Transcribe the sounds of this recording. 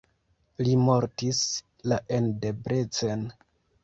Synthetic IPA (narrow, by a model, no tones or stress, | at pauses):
limo̞ɾtis | laʔe̞nde̞bɾe̞t͡sen